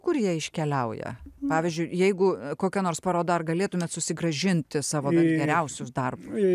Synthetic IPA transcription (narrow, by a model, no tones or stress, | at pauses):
kʊrjiɛɪʃʲkʲɛlʲɛʊjɛ̰pɑːʋʲɪzʲd͡ʒʲʊɪjɛɪɡʊkoːkʲɛnoːrspɑːɾoːd̪ɑɐrɡɐlʲeːt̪ʊmʲeːt̪sʊsʲɪɡɾɐʒʲɪnʲt̪ʲɪsɑːʋoːbʲɛnɡʲɛɾʲɛʊsʲʊsd̪ɐrbʊs